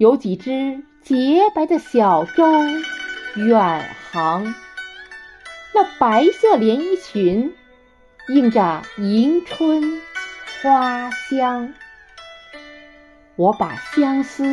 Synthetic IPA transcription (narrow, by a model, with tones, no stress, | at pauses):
jo˧˥ʊt͡ɕi˨˩ʈ͡ʂɻ̩˥ | t͡ɕjɛ˧˥pa˧˥ɪd̪ə˧ɕjɑ˨˩ʊʈ͡ʂʊ˥ʊ | ja˨˩nxɑ˧˥ŋ | na˥˩pa˧˥ɪsɤ˥˩ljɛ˧˥ni˥˩t͡ɕʰy˧˥n | i˥˩ŋʈ͡ʂə˩i˧˥ŋʈ͡ʂʰwə˥nxwa˥ɕjɑ˥ŋ | wɔ˧˥pa˨˩ɕjɑ˥ŋsɹ̩˥